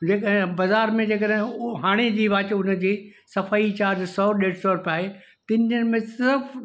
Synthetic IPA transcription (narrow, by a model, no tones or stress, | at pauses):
d͡ʑeːkəɦbɐzaːɾmẽd͡ʑeːkəɗɦɪ̃ɦaːɽ̃ed͡ʑiːʋaːt͡ɕeʊnəd͡ʑiːsɐfaːit͡ɕaːɾd͡ʑsɔːɗeːɽsɔɾʊpaːɦe | t̪ɪ̃nd͡ʑənmẽsɪɾəf